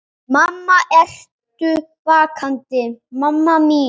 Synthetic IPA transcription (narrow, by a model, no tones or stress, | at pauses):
mamːaʔɛɬ | t̪ypakʰant̪emamːami